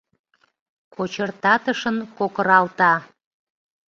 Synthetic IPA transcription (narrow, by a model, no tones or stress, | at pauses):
kʰot͡ɕərt̪ɑt̪əʃənkokəɾɑlt̪ɑ